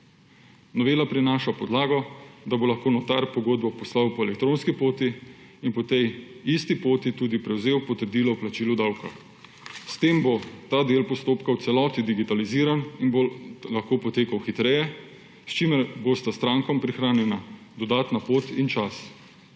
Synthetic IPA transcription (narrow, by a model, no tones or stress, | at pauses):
nɔʋeːlapɾinaːʃapɔd̪laːɡɔd̪abolaxkoːnɔt̪aɾpɔɡoːd̪bɔpɔslawpɔɛlɛkt̪ɾoːnskipoːt̪iːnpɔt̪ɛjist̪ipoːt̪it̪uːd̪ipɾɛwzeːwpɔt̪əɾd̪iːlɔwplat͡ʃiːlud̪awka̰ | st̪eːmbot̪aːd̪eːlpɔst̪oːpkaw̪sɛlɔːt̪id̪iɡit̪aliziːɾaninbolaxkoːpɔt̪eːkawxit̪ɾɛjɛ | st͡ʃimɛɾbost̪ast̪ɾaːŋkɔmpɾixɾaːnjɛna | d̪ɔd̪aːt̪napoːt̪int͡ʃas